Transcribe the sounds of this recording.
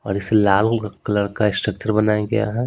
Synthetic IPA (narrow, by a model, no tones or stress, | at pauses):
ɔ̰ːɾɪselaːlklɐɽkaɪsʈɾək̚t͡ʃəɾbɐnaːjaɡɐja̰ɦɛː